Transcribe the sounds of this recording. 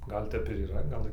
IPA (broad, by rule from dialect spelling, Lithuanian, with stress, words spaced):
ˈɡɐlʲ tʲɛp ɪr iːˈrɐ ˈɡɐlˠ